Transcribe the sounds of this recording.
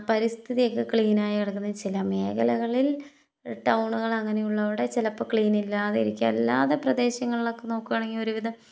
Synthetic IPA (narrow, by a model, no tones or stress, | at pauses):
pɐɾist̪ʰiðijo̞kːekɭiːnaːjikɐɽukːunːɐt͡ɕilɐme̞ːɣɐlɐɣɐɭil | ʈɐwɳuɣɐɭɐŋːɐne̞juɭːɐuɽet͡ɕilɐpːokɭiːnilːɐaːðeiɾikʲːaɐ̰lːaːðeprɐd̪e̞ːɕɐŋːɐɭiɭo̞kːe̞no̞ːkːukɐɳɐŋːio̞ɾuʋiðɐm